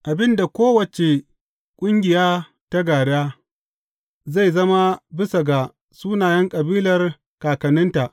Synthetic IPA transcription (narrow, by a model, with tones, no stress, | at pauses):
ʔa˨bɪ˦nda˨kʷoː˦wɐ˨t͡ʃe˨ | kʷʼʊ˦ŋɡʲɪ˨jaː˦ | ta˦ɡaː˨ɽaː˦ | za˦˨jzɐ˦ma˦bɪ˦sa˨ɡa˨ | suː˦naː˨jɐ˦ŋkʼɐ˨biː˦lɐ˨r | kaː˨kɐ˨nɪ˦nta˨ʔ